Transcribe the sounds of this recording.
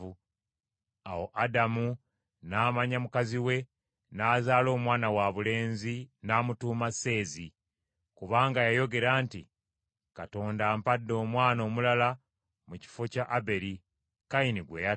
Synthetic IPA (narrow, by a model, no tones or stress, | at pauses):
u | a̰wo̞ʔadamu | naːmaɲamukaziwe̞ | naːzaːlo̞ːmwaːnawaβule̞ːnzinaːmutuːmase̞ːzi | kuβaːŋɡajajo̞ɡe̞ɾaːntḭ | kato̞ːndaːmpadːo̞ːmwaːno̞ːmulala | muci̥fo̞caʔabe̞ɾi | kainiɡwe̞ja